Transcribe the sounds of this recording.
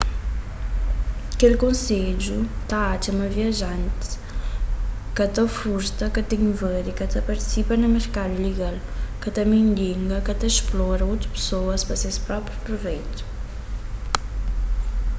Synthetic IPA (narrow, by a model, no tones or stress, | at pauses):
ɐkelkõnsed͡ʒut̪aat͡ʃ̪ɐmɐviɐʒant̪ | kɐt̪ɐfuɾt̪ɐkɐt̪eɲvəɾikɐt̪ɐpɐɾt̪i̥sipɐnɐməɾkad̪uleɡalkɐt̪ɐmẽɲliŋɡɐkɐt̪eʃplɔɾɐut̪ɾupsoɐspɐsespɾɔpɾjupɾuvɛjt̪u̥